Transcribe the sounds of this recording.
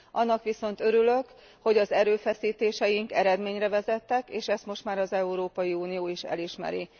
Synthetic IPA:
ʔɒnːɒkʋiso̞n̪t̪ø̞ɾylø̞k | ho̞ɟɒzɛɾøːfɛsiːt̪eːʃɛjiŋkɛɾɛd̪meːɲrɛvɛzɛt̪ːɛkeːʃɛst̪mo̞ʃt̪maːɾɒzɛuɾoːpɒjiuːnijoːiʃɛ̰liʃmɛ̰ɾḭ

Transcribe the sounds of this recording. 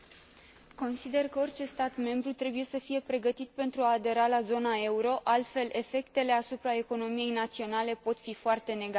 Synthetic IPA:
ko̞nsid̪e̞rkəo̞rʲt͡ʃe̞st̪at̪me̞mbɾut̪ɾe̞buje̞səfije̞pɾe̞ɡət̪it̪̚pe̞nt̪ɾuaːd̪e̞ɾalazo̞nae̞uɾo̞ʔalt̪fe̞le̞fe̞kt̪e̞le̞asupɾae̞ko̞no̞mije̞jnat̪sio̞nale̞po̞t̪fifoart̪e̞ne̞ɡ

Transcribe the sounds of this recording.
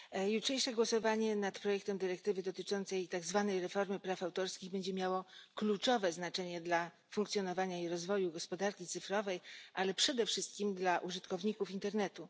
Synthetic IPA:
jutʂɛjʂɛɡwɔsɔvaɲɛnat̪pɾɔjɛk̚t̪ɛmd̪ɘɾɛk̚t̪ɘvɘd̪ɔt̪ɘt͡ʂɔnt̪sɛjt̪aɡzvanɛjɾɛfɔɾmɘpɾafawt̪ɔɾskʲiɣbɛɲd͡ʑɛmʲjawɔklut͡ʂɔvɛznat͡ʂɛɲɛd̪la | fuŋkt̪sʲjɔnɔvaɲaiɾɔzvɔjuɡɔspɔd̪aɾkʲit̪sɘfɾɔvɛjʔalɛpʂɛd̪ɛfʂɘst̪̚kʲimd̪laʔuʐɘt̪kɔvɲikufint̪ɛɾnɛt̪u

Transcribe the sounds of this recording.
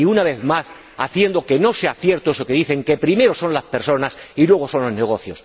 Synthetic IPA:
iunaβ̞e̞ðmas | a̰θje̞nd̪o̞ke̞no̞seaθje̞ɾt̪oesokeðiθe̞ŋke̞pɾime̞ɾoso̞nlaspe̞ɾso̞nasilwe̞ɣo̞sõ̞nlo̞zne̞ɣ̞o̞θjo̞s

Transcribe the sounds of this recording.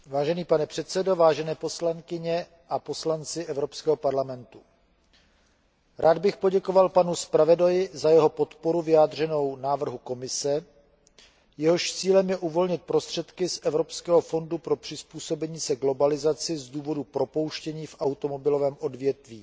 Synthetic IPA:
vaːʒɛniːpanɛpr̥ɛt̪sɛdo̞vaːʒɛnɛːpo̞slaŋkɪɲɛ | ʔapo̞slant͡sɪʔɛvɾo̞pskɛːɦo̞paɾlamɛnt̪u̥ | ɾʔaːd̪bɪxpoɟɛko̞valpanuspɾavɛdojɪzajɛɦo̞po̞t̪poɾuvɪjaːd̪r̝ɛno̞wnaːvr̩ɦuko̞mɪsɛ | jɛɦo̞ʃt͡siːlɛmjɛʔuvo̞lɲɪt̪̚pɾo̞st̪r̥ɛt̪kɪsʔɛvɾo̞pskɛːɦofo̞ndupɾo̞pr̝̥ɪspuːso̞bɛɲiːsɛɡlo̞balɪzat͡sɪzduːvo̞dupɾo̞po̞wʃcɛɲiːfʔawt̪o̞mo̞bɪlo̞vɛːmʔo̞dvjɛt̪viː

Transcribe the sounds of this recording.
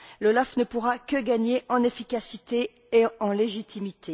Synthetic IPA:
lɔlafnəpuʁakəɡaɲeʔɑ̃nefikʲasit̪eː | ɑ̃leʒit̪ʰimit̪ʰe

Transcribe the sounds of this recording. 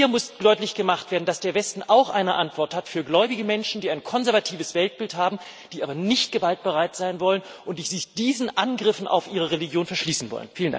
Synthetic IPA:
hiːɐmʊsd̥ɔʏtlɪçɡ̥əmaχtv̥eːɐdn̩d̥asd̥eːɐvɛstn̩ʔaʊxʔa̰ɪnəʔa̰ntv̥ɔɐthatfyːɐɡlɔʏbɪɡəmɛnʃn̩diːaɪnkʰɔnzɛɐvatʰiːvəsv̥ɛlt̚b̥ɪlthaːbm̩ | d̥iːʔaːbɐnɪçtɡ̥əvalt̚b̥əʁaɪtz̥aɪnvɔlənʔʊntd̥iːzɪd̥iːzn̩ʔanɡʁɪfn̩ʔa̰ʊfʔiːʁ̞əʁeliɡjoːnfɛɐʃliːsn̩vɔ̰lə̰nfiːlənda̰

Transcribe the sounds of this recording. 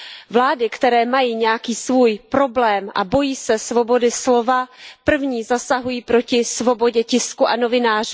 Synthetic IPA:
vlaːdɪkt̪ɛɾɛːmajiːɲɛjakiːsvuːjpɾo̞blɛːmʔa̰bo̞jiːsɛsvo̞bo̞dɪslo̞vapr̩vɲiːzasaɦujiːpɾo̞cɪsvo̞bo̞ɟɛcɪskuʔano̞vɪnaːr̝u

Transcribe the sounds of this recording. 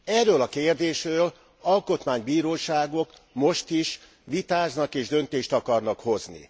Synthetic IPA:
ɛrːøːlɒkeːrd̪eːʃrøːl | ɒlko̞t̪maːɲbiːɾoːʃaːɡo̞kmo̞ʃt̪iʃ | ʋit̪aːznɒkeːʒd̪ø̞nt̪eːʃt̪ɒkɒrnɒkho̞znḭ

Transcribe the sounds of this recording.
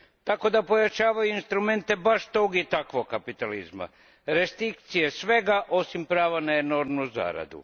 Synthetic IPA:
t̪ako̞d̪apo̞jat͡ʃaːʋajuinst̪ɾume̞nt̪e̞baʃt̪o̞ɡit̪akʋoɡkːapit̪alizma̰ | ɾe̞st̪ɾikt̪sije̞sʋe̞ɡaʔo̞simpɾaːʋanaeno̞ɾmnuza̰ːɾa̰d̪ṵ

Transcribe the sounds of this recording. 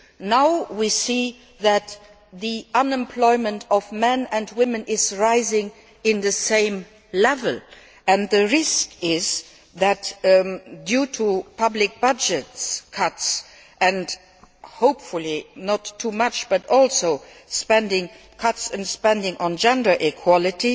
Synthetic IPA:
naʊwisi | ðæt | ðiʔʌ̃nɛ̃mpʰlɔɪmə̃ntɔvmɛ̃nɨ̃ntwɪ̃mə̃nɪzɹaɪzɪ̃ŋ | ɪ̃nðəsẽɪ̃m | lɛvəl | ɨ̃nðəɹɪskɪz | ðæt | djutʰupʰʌblɪk̚b̥ʌd͡ʒətskʰʌts | ʔɨ̃nd | hoʊpfʊlinətʰːumʌt͡ʃb̥ʌtɔlˠsoʊ | spɛ̃ndɪ̃ŋ | kʰʌtsɨ̃nspɛ̃ndɪ̃ŋʔə̃nd͡ʒɛ̃ndə˞ʔikʰwɔlɪti

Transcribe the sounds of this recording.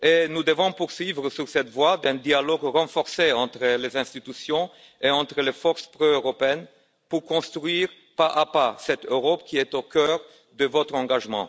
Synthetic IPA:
enud̪əvɔ̃puʁsɥivʁəsyʁsɛt̪vwad̪ɛ̃d̪ialɔɡʁɑ̃fɔʁseɑ̃t̪χəlezɛ̃st̪it̪ysjɔ̃ | eɑ̃t̪χəlefɔʁspʁoøʁɔpeɛn | puʁkɔ̃st̪χɥiʁ | paʔapasɛt̪øʁɔpkʲiɛt̪okœʁ | d̪əvɔt̪χɑ̃ɡaʒmɑ̰̃

